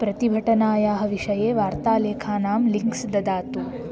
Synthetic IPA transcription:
pɾɐt̪ibʱɐʈɐnaːjaːɦɐ̆ʋiʂɐjeːʋaːɾt̪aːleːkʰaːnaːmliŋksd̪ɐd̪aːt̪u

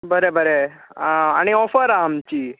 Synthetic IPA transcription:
bəɾebəɾe | aɽ̃iɔfəɾaːmt͡ɕiː

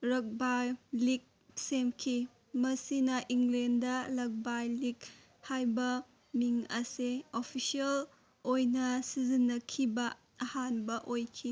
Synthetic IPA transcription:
ɾɐk̚bajlik̚ | semkʰi | mɐsinɐʔiŋɡlendɐlɐk̚bajlik | hajbɐ | miŋɐseopʰisiɐl | ojnɐsizinːɐkʰibɐː | hanbɐʔojkʰi

